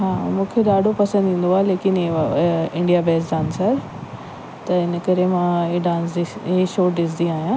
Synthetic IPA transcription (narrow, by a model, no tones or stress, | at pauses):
ɦaːmũːkʰeɗaːɖʱopɐsə̃nd̪ʱĩːn̆d̪oaːɦeleːkɪneɪ̃ɳɖijabʱeːsd͡ʑaːnsɐɾ | t̪ɐɪnə̆kɐɾemãeɖãːnsd̪iɦeʃoːʈɗɪsd̪iaːɦijãː